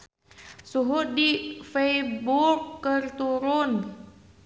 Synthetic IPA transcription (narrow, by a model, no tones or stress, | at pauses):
suɦʊt̪̚difejbukːərt̪uɾʊn